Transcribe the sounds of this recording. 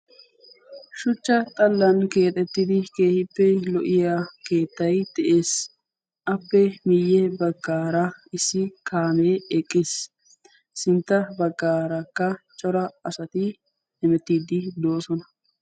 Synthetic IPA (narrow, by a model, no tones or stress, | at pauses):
ʃʊt͡ʃːɐt̪ʼɐlːɐnke̞ːt̪ʼɛt̪ːɪd̪ɪke̞ːhɪpːɛlɔʔɪjake̞ːt̪ːɐjd̪̥ɛʔeːs | ʔɐpːɛmɪjːɛbɐɡːaːɾɐɪsːɪkʰaːmeːɛkʼːɪsː | ɪnt̪ːɐbɐɡːaːɾɐkːɐt͡ʃʼɔɾɐɐsɐt̪ɪ | ɛmɛt̪ːiːd̪ɪd̪o̞ːsɔnɐ